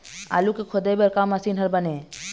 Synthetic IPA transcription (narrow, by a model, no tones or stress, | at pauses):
a̰ːlukekʰod̪ebəɾkamasiːnɦəɾbəneː